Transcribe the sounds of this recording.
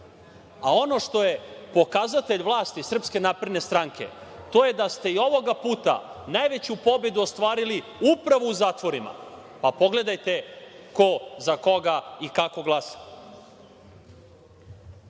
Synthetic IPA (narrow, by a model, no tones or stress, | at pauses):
ao̞no̞ʂt̪o̞je̞po̞kazat̪eʎʋlˠaːst̪isr̩pske̞naːpɾe̞d̪ne̞st̪ɾaŋkʰe̞̰t̪o̞je̞d̪ast̪e̞io̞ʋo̞ɡapuːt̪a̰naːjʋe̞t͡ɕupo̞be̞d̪uost̪ʋaːɾili | upɾaʋouzaːt̪ʋo̞ɾima̰ | papo̞ɡle̞d̪ajt̪e̞ko̞zako̞ɡaikako̞ɡlˠasḁ